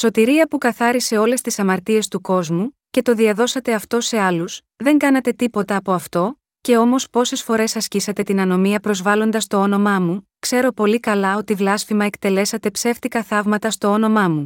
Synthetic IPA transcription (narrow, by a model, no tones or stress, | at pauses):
so̞t̪iɾiɐpukɐθɐɾise̞o̞le̞st̪isɐmɐɾt̪ie̞st̪uko̞zmu | ce̞t̪o̞ðiɐðo̞sɐt̪e̞ɐft̪o̞se̞ɐlus | ðe̞ŋɡɐnɐt̪e̞t̪ipo̞t̪ɐːpo̞ɐft̪o̞ | ce̞o̞mo̞spo̞se̞sfo̞ɾe̞sɐscisɐt̪e̞t̪inɐno̞miɐpɾo̞zvɐlo̞nd̪ɐst̪o̞o̞no̞mɐmukse̞ɾo̞po̞likɐlɐo̞t̪ivlɐsfimɐekt̪e̞le̞sɐt̪e̞pse̞ft̪ikɐθɐvmɐt̪ɐst̪oo̞no̞mɐmu